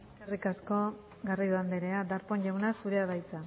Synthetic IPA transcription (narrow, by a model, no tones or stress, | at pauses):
eskerikasko̞ | ɡariðuand̪eɾe̞ad̪aɾpo̞ɲʎawnasuɾe̞aðajt͡sa